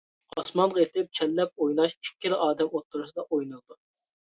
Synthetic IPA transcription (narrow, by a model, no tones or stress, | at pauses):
ɑsmɑnʁɑet̪ɪp̚t͡ʃʰɛlːɛp̚ojnɑʃikʲːilɪʔɑːd̪ɛmot̪ʰːuɾusɨd̪ɑʔojnulˠd̪u